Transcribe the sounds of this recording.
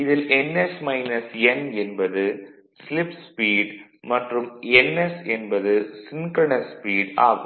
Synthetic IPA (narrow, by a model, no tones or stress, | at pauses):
ɪðɪlɛnːɛsmɐɪnɐsɛnɛnbɐðɯ | slɪpspiːɽmɐʈrɯmɛnːɛsɛnbɐðɯsɪnkɐɳɐspiːɽa̰ːɣɯ